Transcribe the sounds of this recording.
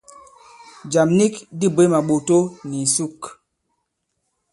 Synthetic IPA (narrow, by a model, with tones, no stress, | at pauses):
d͡ʒa˨mni˦kdi˦˨be˨˦ma˨ɓo˨to˦ni˨su˦˨k